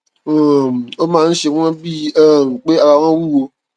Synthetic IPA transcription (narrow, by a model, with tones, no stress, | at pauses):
o˨o˦mãː˧˦˧n̩˦ʃe˧˦ɔ̃˦bi˦a˦˨ŋ̩˨k͡pe˦a˧ba˨˦w̃ã˦wu˦˨wo˧